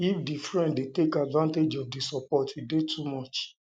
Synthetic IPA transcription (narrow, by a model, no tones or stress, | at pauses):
ifdifɹɛ̃nddetekadvãnted͡ʒɔfdisɔpɔtwidetʰumɔt͡ʃ